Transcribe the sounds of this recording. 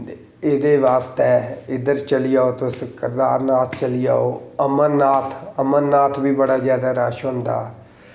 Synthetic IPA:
eːd̪eːʋaːst̪ɛːɪd̪əɾt͡ʃəlijaːoːt̪õsɪkːəɾd̪a̰ːɾnaːt̪ʰt͡ʃəlija̰ːoːəmənːaːt̪ʰəmənːaːt̪ʰbiːbəɽaːzjaːd̪aːɾaːʃɦõːnd̪a̰ː

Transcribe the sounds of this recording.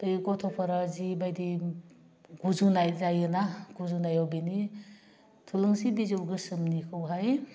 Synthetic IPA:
tɯjɡɔtʰɔpʰaɾazibajdi | ɡ̥uzunajzajɯnaɡ̥uzunajawbeni | tʰulɯŋsibizɯwɡɯsɯmnikʰɯwɦaj

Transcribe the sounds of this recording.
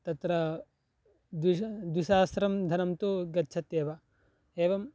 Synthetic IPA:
t̪ɐt̪ɾɐ | d̪wid̪wiʃaːsɾɐmd̪ʱɐnɐmt̪uɡɐtːt͡ʃʰɐt̪eːʋɐ | eːʋɐm

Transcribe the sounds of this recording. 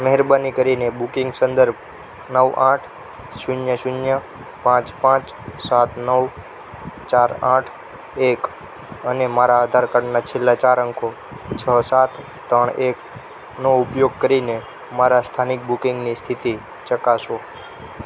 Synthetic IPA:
məɦɛɾbənikəɾinebukɪ̃ŋɡsə̃nd̪əɾb̚ʱ | nəʋaʈʰ | ʃʊnjəʃʊnjə | pãt͡ʃpãt͡ʃ | sat̪ʰnəʋ | t͡ʃaɾaʈʰ | ek | ənemaɾaad̪ʱaɾkəɾnat͡ʃʰelːat͡ʃaɾəŋkʰo | t͡ʃʰəsat̪ʰː | əɳek | noʊpjoɡ̚kəɾine | maɾast̪ʰanɪk̚bukɪŋɡnist̪ʰit̪i | t͡ʃəkaʃo

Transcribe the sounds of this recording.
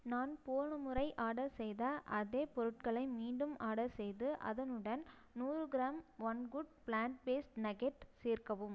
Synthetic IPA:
naːnpoːɳɐmɯrɐɪʔaːɽɐsɛjðaʔɐðeːpɔɾɯʈ̚kɐɭɐɪmiːɳɖɯmaːɽɐsɛjðɯʔɐ̰ðɐnɯɽɐn | nuːrɯɡɪɾaːmʋɐnɡʊɖpɭaːɳʈ̚beːsʈnɐɡɛʈseːrkɐʋɯm

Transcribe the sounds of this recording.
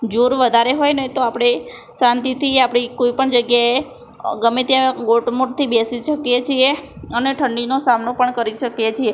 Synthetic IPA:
d͡ʒuɾʋəd̪ʱaɾeɦojnəɦit̪oapɽ̃e | sãnt̪it̪ʰiapɽ̃ikoipəɳd͡ʒəɡjae | ɡəmet̪iaɡoʈmuʈt̪ʰibesiʃəkjet͡ʃʰieəneʈʰəɳɖinosamnopəɳkəɾiʃəkjet͡ʃʰie

